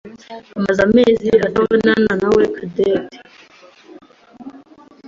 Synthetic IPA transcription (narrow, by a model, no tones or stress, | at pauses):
amazameːziatawenananawekʰadeːti̥